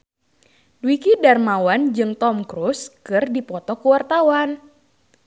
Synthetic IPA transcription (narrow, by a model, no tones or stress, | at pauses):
dwikidarmawand͡ʒɨŋt̪ɔmkɾuskɨrdipɔt̪ɔkuwart̪awan